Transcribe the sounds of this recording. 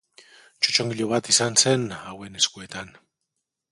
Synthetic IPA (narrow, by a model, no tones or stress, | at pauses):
t͡ʃut͡ʃoŋɡiʎoβat̪isansenaweneskuet̪an